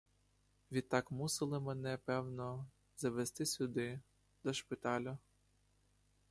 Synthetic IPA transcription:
ʋʲit̪ːɑkmusɪlˠɪmenɛpɛwnɔ | zɐʋest̪ɪsʲʊd̪ɪ | d̪ɔʃpɪt̪ɑlʲʊ

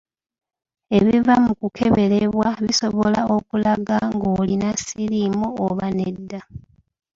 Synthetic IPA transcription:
e̞βivamukukʰe̞βe̞ɾeβwaβiso̞βo̞lao̞kulaɡaŋɡolinasilimuːβanedːa

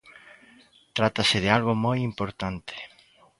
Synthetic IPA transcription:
t̪ɾat̪asɪðɪalɣomojimpoɾt̪ant̪e̥

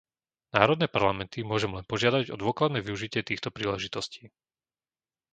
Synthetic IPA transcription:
naːɾɔd̪nɛːpaɾlamɛnt̪imʊɔʒɛmlɛnpɔʒɪad̪aɟɔ̰d̪ʊɔklad̪nɛːʋiuʒicɪɛt̪iːxt̪ɔpɾiːlɛʒit̪ɔsciː

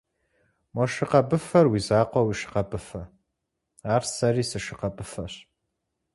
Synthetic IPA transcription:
mɐʃɪqɐbɨfɐrwizaːqʷɔwiːʃɪ̥qɐbɨfɐ | aːrsɐriːsɨʂɪqɐbɨfɐɕ

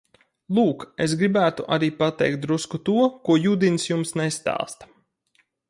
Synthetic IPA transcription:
lˠuːkes̬ɡɾibæːt̪uʔaɾiːpat̪ɛ̰jk̚t̪̚d̪ɾuskut̪uɔkuɔjuːd̪insjumsnest̪ɑ̰ːst̪

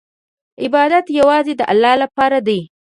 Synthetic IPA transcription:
ɪbɑd̪at̪jawɑzed̪əʔa̰lːɑlapɑɾad̪ij

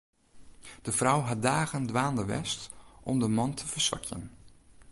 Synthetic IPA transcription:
d̥əfrawɦat̚daːɣəndʋaːndəʋɛ̰stʔɔmdəmɑntʰəv̥əɹsʋa̰kʰjə̰n

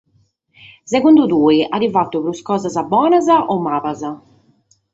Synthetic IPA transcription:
sɛɣund̪ud̪uːiadivat̪ːupɾuskɔːzazabɔːnazaʔɔmːaːβaza

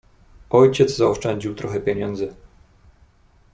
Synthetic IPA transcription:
ɔjt͡ɕɛd̪zzaɔʂt͡ʂɛɲd͡ʑiwt̪ɾɔxɛpʲjeɲɛnd̪zɘ

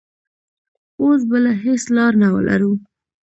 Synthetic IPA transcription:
os̬bəlaɦeslɑɾnawə̰lʔa̰ɾu

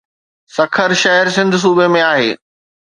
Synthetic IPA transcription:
sɐkʰəɾʃɐɦəɾs̬ɪ̃nd̪ʱʊ̆s̬uːbemẽaːɦḛː

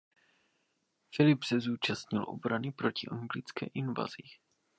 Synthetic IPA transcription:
fɪlɪpsɛzuːt͡ʃast̪ɲɪlʔo̞̰bɾanɪpɾo̞cɪʔaŋɡlɪt͡skɛ̰ːʔɪnva̰z̥i

